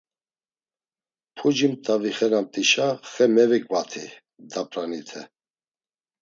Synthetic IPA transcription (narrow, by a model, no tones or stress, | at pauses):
pʰud͡ʒimt̪ʼaviχɛnamt̪ʼiʃaχɛmɛvɛkʼvat̪ʰi | d̪apʰʼɾanit̪ʰɛ